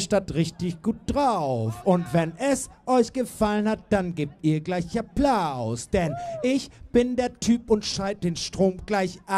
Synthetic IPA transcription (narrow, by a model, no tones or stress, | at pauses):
ʃtatʁɪçtɪçɡ̥uːt̚d̥ʁaʊfʔʊntv̥ɛnɛsʔɔʏçɡ̥əfalənhat̚d̥anɡeːp̚tʔiːɐɡlaɪçaplaʊsd̥ɛnʔɪçb̥ɪndeːɐtʰyːpʊntʃaɪt̚d̥eːnʃtʁ̥oːmɡ̥laɪçʔa